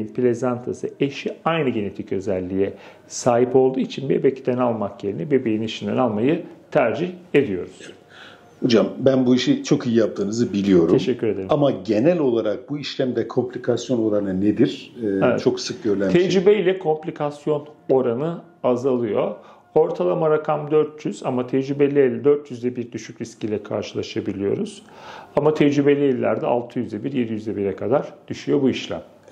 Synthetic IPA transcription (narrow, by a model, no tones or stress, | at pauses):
impilʲe̞zant̪ʰasɯe̞ʃiajnɯɟe̞ne̞t̪ʰicø̞zælʲːijɛ | saːɦipo̞lˠd̪uːit͡ʃʰinbebecd̪ænalˠmakje̞ɾinɛbebejiniʃind̪ænalˠmajɯt̪ʰæɾd͡ʒihe̞d̪ijo̞ɾuz̥ | ho̞d͡ʒambænbuiʃit͡ʃʰo̞kijijap̚t̪ʰɯːnɯzɯbilʲijo̞ɾuemʃɛcːyɾe̞d̪e̞ɾiamaɟe̞nælʲo̞lˠaɾak̚buiʃlʲæmd̪ɛkʰo̞mplʲikʰasjo̞no̞ɾanɯned̪iɾ̥evɛ̰tt͡ʃʰo̞ksɯk̚ɟøɾlʲæmt̪ʰɛd͡ʒɾibeilʲɛkʰo̞mplʲikʰasjo̞no̞ɾanɯ | azalˠɯjo̞ | o̞ɾt̪ʰalˠamaɾakʰamd̪øɾt̪jyz̥amat̪ʰɛd͡ʒɾybe̞lʲilʲd̪øɾt̪jyzd̪ɛbiɾd̪yʃycɾiscʰiːlʲɛkʰa̰ɾʃɯlˠaʃabilʲijo̞̰ɾuz̥ | amat̪ʰɛd͡ʒɾybe̞lʲielʲːæ̰ɾd̪ɛa̰lˠt̪ʰɯjyzd̪ɛbiɾjed̪ijyzd̪ɛbiɾɛkʰad̪aɾd̪̥yʃyjo̞buiʃlʲæ̰m